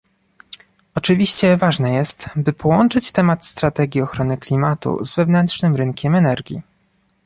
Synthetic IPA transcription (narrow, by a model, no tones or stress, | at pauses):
ɔt͡ʂɘvʲiɕt͡ɕɛvaʐnɛjɛst̪bɘpʰɔwɔnt͡ʂɘt͡ɕt̪ɛmat̪st̪ɾat̪ɛɡʲjiɔxɾɔnɘklʲimat̪ṵzvɛvnɛntʂnɘmɾɘŋkʲɛmɛnɛɾɡʲḭ